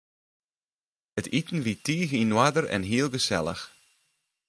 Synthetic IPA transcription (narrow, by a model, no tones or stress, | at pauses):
ətitn̩ʋitiːɣinwadərɛ̰nɦiəlˠɣəsɛlˠə̰x